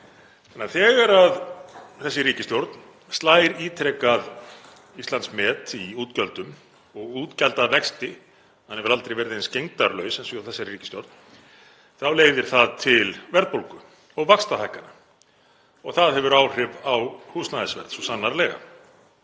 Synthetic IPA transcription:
ɛnːaθɛːɣaɾaðθɛsːɪɾiːcɪst̪jowɾt̪n | st̪laːjɾiːt̪ʰɾɛkað | ist̪lansmɛːt̪iuːt̪cœlt̪ʏm | ɔɣuːt̪cɛlt̪aðvɛkst̪ɪ | hanhɛvʏɾalt̪ɾejvɛɾðɪejnscejŋt̪aɾlœɥsɛnsɔawθɛsːaɾriːcɪ̥st̪jo̰wɾt̪n | θawleːjðɪɾ̥θaðt̪ʰɪlvɛɾðt̪powlkʏ | ɔɣvakst̪aθajhkːana | ɔɣθaðɦɛvʏɾaːwr̥ɪvawhuːsnaðɪsvɛ̰ɾðsɔsanːaɾlɛːɣa̰

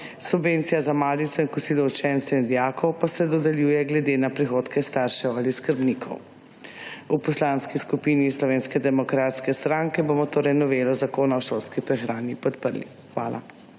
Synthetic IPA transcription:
subvent̪sijazamaːd̪it̪sɔinkusiːlɔut͡ʃɛnt̪sɛind̪jaːkʰɔwpasɛd̪ɔd̪ɛljuːjɛɡlɛd̪enapɾixoːt̪kɛst̪aɾʃɛwaliskəɾbnikʰɔ̰w | upɔslanskiskupiːnislɔʋeːnskɛd̪ɛmɔkɾat̪skɛst̪ɾaŋkɛbomɔt̪oːɾɛjnɔʋeːlɔzakoːnawʃolskipɾɛxɾaːnipɔt̪pəɾlḭ | xʋa̰ːlʔa̰

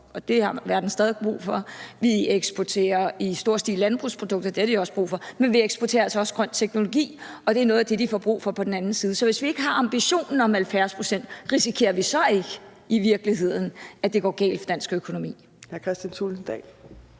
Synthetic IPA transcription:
ʔɒ̽d̥e̝hɑ̈ʋæɐd̥n̩sd̥ɛːðˠiɡ̥̚b̥ʁṵːfɒ̽ʋieɡ̥sb̥ot͡sʰe̝̰ːɐisd̥o̝ɐ̰sd̥ḭːlænb̥ʁṵːspʰʁo̝d̥ɔ̽ɡ̥̚d̥ɐd̥e̝hɐd̥iɒ̽sb̥ʁṵːfɒ̽menʋieɡ̥sb̥ɔt͡sʰe̝ːɐælsɒɒ̽sɡ̥ʁɶn̰t͡sʰeɡ̥no̝lo̝ɡ̥ḭː | ɒ̽d̥e̝ænɔ̽ːð̩ˠɐd̥e̝d̥ifɒb̥ʁṵːfɒ̽pʰɒ̽d̥en̩ænn̩siːð̩ˠəsɒ̽ʋe̝sʋie̝ɡ̥əɦɑ̈ɑ̈mb̥iɕo̝̰ːnn̩ɒ̽mælfjæɐspʰʁo̝sen̰d̥ʁisikʰe̝̰ːɐʋisɒ̽e̝ɡ̥ə | iʋiɐɡ̥əliɦe̝ð̞̰ˠn̩æd̥e̝ɡ̥ɒ̰ːɡ̥ɛ̰ɪːld̥fɒ̽d̥ænsɡ̥økʰo̝no̝mḭː | hækʰʁɛsd̥jænt͡sʰuln̩d̥ɛ̰ːl

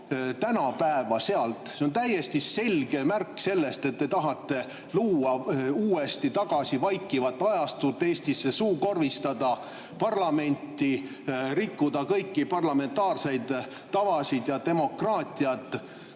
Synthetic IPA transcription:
t̪ænɑpæevɑse̞ɑlt̪ˑseo̞nt̪æje̞st̪ise̞lɡ̥e̞mærkːse̞lːe̞st̪e̞t̪̚ːe̞t̪ɑɦɑt̪ːe̞ | luːɑuːe̞st̪it̪ɑɡ̥ɑsivɑjkːˑivɑt̪ːˑɑjɑst̪ut̪ːe̞ːst̪isːe̞suːko̞rvist̪ɑd̪̥ɑ | pɑrlɑme̞nʲt̪ːi | rikːud̪̥ɑkɤjkːipɑrlɑme̞nt̪ːˑɑːrse̞jd̪̥ː | ɑvɑsid̪̥jɑt̪e̞mo̞krɑːt̪ːˑiɑt̪ːˑ

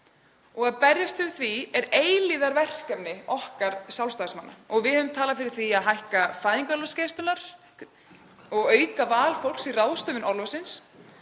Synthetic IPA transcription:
ɔɣaðpɛrjast̪fɪɾɪ̥θviɛɾeːjliðaɾvɛr̥kɛpnɪɔhkaɾsawlst̪aːsmanːa̰ɔɣvɪðhœvʏmt̪ʰaːlafɪɾɪɾ̥θviaðɦajhkafaːðiŋkɔlvasceːst̪ʏlaɾ̥ | ɔɣœːɥkavaːlfowlksiraːwðst̪œːvɪnʔɔɾlvasɪns

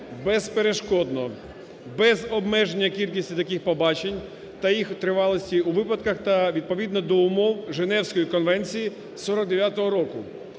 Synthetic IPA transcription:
bɛzpeɾe̞ʃkɔd̪nɔ | bɛzɔbmɛʒenʲːɐkʲilʲkʲisʲtʲit̪ɐkɪxpɔbɑt͡ʃenʲ | t̪ɐjixt̪ɾɪʋɑlˠɔsʲtʲiuʋɪpɐd̪kɐxt̪ɐʋʲid̪̚pɔʋʲid̪nɔd̪ɔʊmɔwʒenɛwsʲkɔjikɔnʋɛnʲt͡sʲiji | sɔɾɔɡ̚d̪eʋʲjat̪ɔɦɔɾɔkʊ

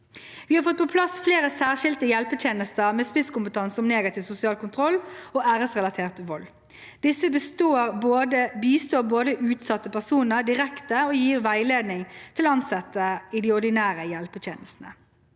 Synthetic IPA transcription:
ʋɪːhɑɾfɔt̪̚ːpʰɔpʰlɑsfleːʁəsæːʁʃɪlt̪əjɛlpət̪ʰeːnəst̪əʁmeːspɪskʊmpət̪ʰɑnsəɔmneːɡɑt̪ɪːʋsʊsɪɑːlkʊnt̪ʰʁɔlːoːæːʁəsʁɛlɑt̪ʰeːʁt̪ʋɔl | d̪̥ɪsːəbəst̪oːʁboːd̪əbiːst̪oːboːd̪əʔʉːt̪sɑt̪ːəpʰæʁsuːnəʁd̪ɪʁɛkt̪əoːjiːʁʋæɪleːd̪nɪŋt̪ʰɪlɑnsɛt̪ːəɪd̪ɪɔʁd̪ɪnæːʁəjɛlpət̪ʰjeːnəst̪n̩ə

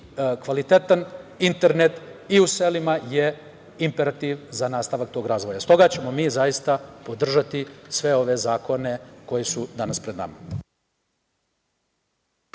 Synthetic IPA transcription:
kʋalit̪e̞t̪anint̪e̞ɾne̞t̪iuse̞limaje̞ | impe̞ɾat̪iʋzanaːst̪aʋak̚t̪oɡɾaːzʋojast̪o̞ɡat͡ɕe̞mo̞miːzajist̪apo̞d̪r̩ʒat̪isʋe̞o̞ʋe̞zaːko̞ne̞ko̞jesud̪anaspɾe̞d̪na̰ma

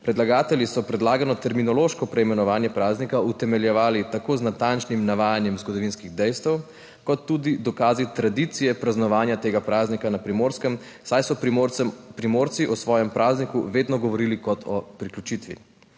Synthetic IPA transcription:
pɾɛd̪laɡaːt̪ɛljisɔpɾɛd̪laːɡanɔt̪ɛɾminɔloːʃkɔpɾɛimɛnɔʋaːnjɛpɾaːznikaut̪ɛmɛljɛʋaːlit̪akoːznat̪ant͡ʃnimnaʋaːjanjɛmzɡɔd̪ɔʋiːnskiɣd̪ɛjst̪ɛw | kɔt̪ːud̪id̪ɔkaːzit̪ɾad̪it̪sijɛpɾaznɔʋaːnjat̪eːɡapɾaːznikanapɾimoːɾskɛm | sajsɔ | pɾimoːɾt̪siʔɔsʋɔːjɛmpɾʔaːznikuʋeːd̪nɔɡɔʋɔɾilikɔt̪ʰɔ̰pɾiklʲjut͡ʃit̪ʋḭ

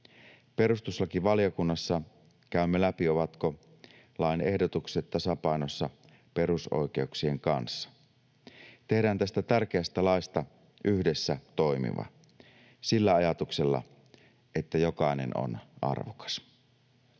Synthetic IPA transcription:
pe̞rust̪usːɑkiʋɑljokunːɑsːɑ | kæymːelæpioʋɑt̪ko | lɑine̞hdot̪ukset̪tːɑsɑpɑinosːɑ | pe̞ruso̰ike̞uksieŋkɑnsːɑ̥ | t̪e̞hdæːnt̪æst̪æt̪ærk̟eæst̪ælɑist̪ɑ | ʔyhdesːæt̪oimḭʋɑ̰ | silːæɑjɑt̪ukselːɑ̰ | ʔet̪ːæjokɑˑinḛno̰nʔɑ̰rʋokɑ̥s

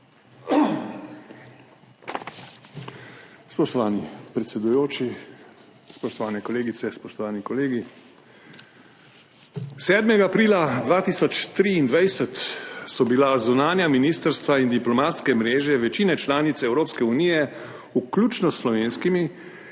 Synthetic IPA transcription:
spɔʃt̪ɔʋaːnipɾɛt̪sɛd̪ujoːt͡ʃi | spɔʃt̪ɔʋaːnɛkɔleːɡit̪sɛspɔʃt̪ɔʋaːnikɔleːɡi | sɛːd̪mɛɡaːpɾiːlad̪ʋaːt̪iːsɔt͡ʃt̪ɾiːnd̪ʋajsət̪sɔbilazunaːnjaminiːst̪əɾst̪ʋaind̪iplɔmaːt̪skɛmɾeːʒɛʋɛt͡ʃiːnɛt͡ʃlaːnit̪sɛwɾoːpskɛuniːjɛ | uklʲuːt͡ʃnɔsːlɔʋeːnskimi

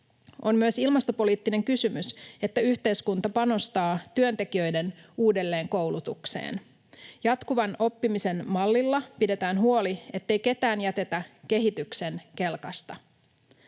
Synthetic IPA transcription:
o̞mmyøsilmɑst̪o̞po̞liːt̪ːine̞ŋkysymyse̞t̪ːæyht̪e̞jskunt̪ɑpɑno̞st̪ɑːt̪yø̞nt̪e̞k̟iø̞jde̞nuːde̞lːe̞ːŋko̞wlut̪uksḛːn | jɑt̪kuʋɑno̞pːimise̞nmɑlːilːɑpide̞t̪æːnɦuo̞lie̞t̪ːe̞jke̞t̪æːnjæt̪e̞t̪æk̟e̞ɦit̪ykse̞nke̞lkɑst̪ɑ

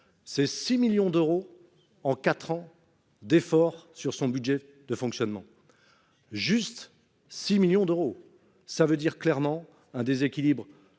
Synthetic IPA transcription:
sɛsimiljɔ̃d̪øʁo | ɑ̃kat̪χɑ̃ | d̪efɔʁsyʁsɔ̃byd̪ʒɛ | d̪əfɔ̃ksjɔnmɑ̃ | ʒyst̪ | similjɔ̃d̪øʁo | savød̪iʁklɛʁmɑ̃ | ɛ̃d̪ezekʲilibʁ

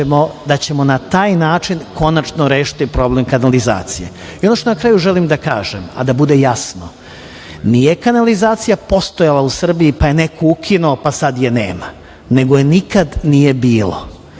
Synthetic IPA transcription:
mo̞d̪at͡ɕe̞mo̞nat̪aːjnaːt͡ʂinko̞nat͡ʃnoɾe̞ːʃi̥t̪ipɾo̞blemkanaliza̰ːt̪sijḛ | iono̞ʃt̪onakɾaːjuʒelimd̪akaːʒema̰d̪abud̪e̞jasno | nije̞kanalizaːt̪sijapo̞st̪ojalˠausr̩biipaje̞ne̞kʰoukʰinuopasad̪jenḛːma | ne̞ɡojenikad̪nije̞biːlo̰

